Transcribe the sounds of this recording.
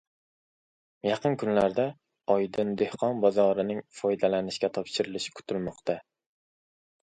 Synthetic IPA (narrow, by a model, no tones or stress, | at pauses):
jɑqənkʲʰynlæɾd̪ɛ | ɑjd̪ɨnd̪ehqʰɑnbɑzɑɾɨnɪŋfɑjd̪ɛlænɪʃkʲɛt̪ʰɑpʃɪɾɨlɪʃɪ̥kʲʰy̥t̪ʰylmɑχt̪ʰɛ